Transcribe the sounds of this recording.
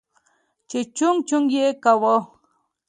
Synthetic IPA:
t͡ʃet͡ʃʊŋt͡ʃʊŋjekawo

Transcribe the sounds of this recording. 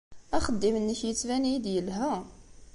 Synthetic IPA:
æχəd̪ːimnːəçjət͡sːvæniid̪jəlɦæ

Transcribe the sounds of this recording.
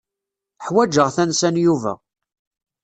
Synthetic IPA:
ħwæd͡ʒəʁθænsænjuvæ̰

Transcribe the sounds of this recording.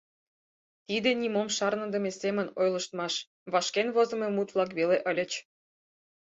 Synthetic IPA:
t̪id̪enʲimomʃɑrnə̆d̪ə̆mʲesemə̆nojlɤ̆ʃt̪mɑʃ | βɑʃkenβozɤ̆memut̪βlˠɑk̬βeleʔə̆lʲə̆t͡ɕ

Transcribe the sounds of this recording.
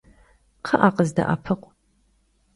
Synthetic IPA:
qʰəʔaːqəzdɐ̰ʔa̰ːpʰɨqʷʼ

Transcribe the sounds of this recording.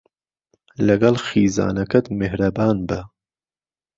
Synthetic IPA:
lɐɡɐlxiːza̰ːnɐkɐt̪mehɾɐbaːnbɐ

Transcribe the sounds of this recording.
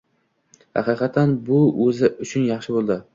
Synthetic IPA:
hɑ̰qʰɨːqʰɑt̪ʰːanbʊɵzɪʔʊt͡ʃʰʊnjɑχʃɪbolˠd̪ɪ

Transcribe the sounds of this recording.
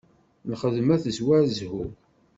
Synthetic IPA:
nχəðmæθəzwæɾzhu

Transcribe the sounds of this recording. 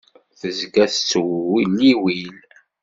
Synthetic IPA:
θəzɡæθt͡sːwwilːiwil

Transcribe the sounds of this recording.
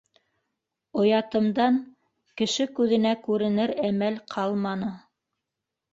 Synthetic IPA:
ŏjɑt̪ɤ̆md̪ɑŋ | kɘ̆ʃɘkʉðɘ̆nækʉɾɘ̆nɘɾæmælqʰɑlˠmɑnɤ

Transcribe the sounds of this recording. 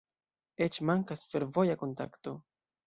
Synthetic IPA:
et͡ʃmaŋkasfe̞ɾvo̞jako̞nta̰kto̞

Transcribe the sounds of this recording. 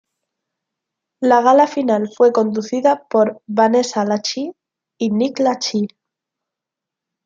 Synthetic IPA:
laɣ̞alafinalfwe̞ko̞nd̪uθiðapo̞ɾβane̞salat͡ʃiː | niklat͡ʃi

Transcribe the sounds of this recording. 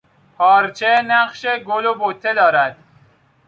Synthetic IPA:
pʰɒːɾt͡ʃʰenæqʃeɡolobot̪ʰːed̪ɒːɾæd̪̥

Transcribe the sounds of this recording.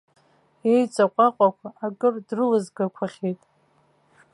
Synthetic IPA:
ejt͡sʼaqʷʼaqʷʼakʷʰaʔakʼɨrdrɨlɨzɡakʷʰaχʲejtʼ

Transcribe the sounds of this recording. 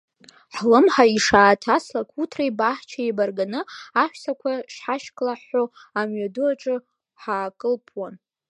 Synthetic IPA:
ħlɨmħaiʂaːtʰaslakʰutʰrajbaħt͡ʃʰaibarɡanɨaʃᶣsakʷʰaʂħaʃkʼlaħːo | amɥaduaʈ͡ʂʼɨ | ħaːkʼɨlpʰwan

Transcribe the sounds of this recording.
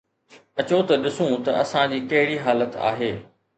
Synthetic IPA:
ɐt͡ɕot̪ɐɗɪsũt̪ɐ̰ʔɐsãd͡ʑiːkɐɦɪɽiɦaːlət̪a̰ːɦeː

